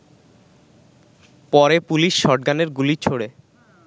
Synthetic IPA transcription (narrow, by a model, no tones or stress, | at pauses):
pɔɾepuliʃːɔʈ̚ɡaneɾɡulit͡ɕʰoɽe